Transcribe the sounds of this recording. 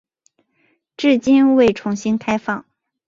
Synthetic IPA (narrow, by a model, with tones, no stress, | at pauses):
ʈ͡ʂɻ̩˥˩t͡ɕi˥nwe˥˩ɪʈ͡ʂʰʊ˧˥ŋɕi˥nkʰa˥ɪfɑ˥˩ŋ